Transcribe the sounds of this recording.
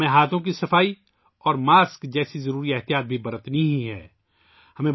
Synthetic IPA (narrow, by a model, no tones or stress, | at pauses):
ẽɦaːt̪ʰõk̬isɐfaːi | ɔːɾmaːskd͡ʒɛːsizɐɾuːɾiɛɦt̪ijaːt̪̚bʱibɐɾət̪niɦĩɦɛ̰ː | hɐmẽ